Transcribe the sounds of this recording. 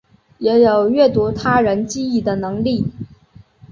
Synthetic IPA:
jɛ˧˥jo˨˩ʊɥɛ˥˩t̪u˧˥t̪ʰa˥ɻə˧˥nt͡ɕi˥i˥˩d̪ə˩nɤ˧˥ŋli˥˩

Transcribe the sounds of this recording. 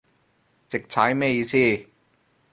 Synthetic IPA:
t͡ɕe˨˩k̚t͡ɕʰaː˨˥jma˥˩˨jiː˧˥sʰiː˥˩

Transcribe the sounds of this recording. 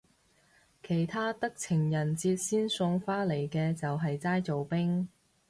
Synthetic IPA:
kʰe˨˩jt̪ʰaː˥t̪ɐ˥k̚t͡sʰɪ˨˩ŋjɐ˨˩nt͡siː˧t̚siː˥nsʊ˧ŋfaː˥le˨˩jkɛː˧t͡sɐ˨wɦɐ˨jt͡saː˥jt͡so˨wpɪ˥ŋ

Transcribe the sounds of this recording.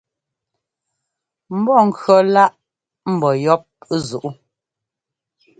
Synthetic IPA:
m̩˦bɔ˦˨ŋ̩˦˨kɰɔ˨la˦ʔ | m̩˦˨bɔ˨jɔ˦p̚zu˨ʔu˦

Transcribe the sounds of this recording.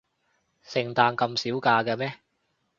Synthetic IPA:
sɪ˨˩ŋt̪aː˧nkɐ˧msiː˨˥wkaː˧kɐ˧mɛː˦˥

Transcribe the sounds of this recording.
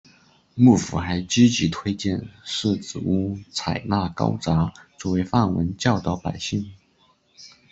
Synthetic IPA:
mu˥˩fṵ˨˩xa˧˥ɪt͡ɕi˥t͡ɕi˧˥t̪ʰwe˥ɪt͡ɕjɛ˥˧nʂɻ̩˥˩t͡sɹ̩˨˩u˥t͡sʰa˨˩ɪna˥˩kɑ̰˥ʊt͡sa˧˥t͡swɔ˥˩we˧˥ɪfa˥˩nwə̰˧˥nt͡ɕjɑ˥˩ʊt̪ə˥˩pa˨˩ɪɕi˥˩ŋ

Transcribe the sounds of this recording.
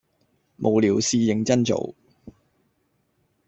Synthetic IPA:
mʔo˨wliː˨˩wsiː˧jɪ˨ŋt͡sɐ˥nt͡so̰˨w

